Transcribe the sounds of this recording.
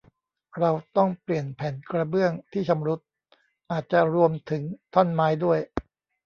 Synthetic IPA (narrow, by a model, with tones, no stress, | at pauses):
ɾa˧wt̪ɔ˥˩ŋpli˨˩ənpʰɛː˩˦nkɾa˧bɯ˥˩əŋt̪ʰiː˥˩t͡ɕʰa˧mɾu˦˥t̪̚ | ʔaː˨˩t̪̚t͡ɕa˨˩ɾu˧əmt̪ʰɯ˩˦ŋt̪ʰɔ˥˩nmaː˦˥jdu˥˩əj